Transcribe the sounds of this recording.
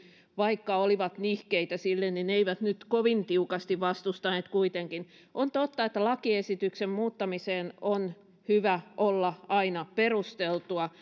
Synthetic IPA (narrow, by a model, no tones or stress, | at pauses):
ʋɑikːɑoliʋɑt̪nihkeit̪æsilːennineiʋæt̪nyt̪koʋint̪iukɑst̪iʋʋɑst̪ust̪ɑneːt̪kuit̪eŋkin | ʔont̪ot̪ːɑet̪ːælɑkiesit̪yksemmuːt̪ːɑmiseːnon | hyʋæʔolːɑɑinɑperust̪elt̪uɑ